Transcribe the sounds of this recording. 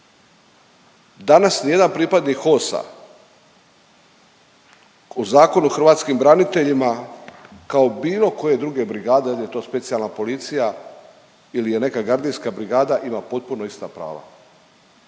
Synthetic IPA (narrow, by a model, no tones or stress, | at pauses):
d̪anasnije̞d̪anpɾiːpad̪niko̞sa̰ | uzaːko̞nuoxr̩ʋaːt̪skimbɾanit̪e̞ʎima | kao̞biːlo̞koje̞d̪ɾuɡe̞bɾiɡaːd̪elije̞t̪o̞ːspe̞t̪sialˠnapo̞lit̪sija | ilije̞ne̞kaɡaɾd̪inskabɾiɡaːd̪aʔimapo̞t̪̚puno̞ist̪apɾa̰ːʋa̰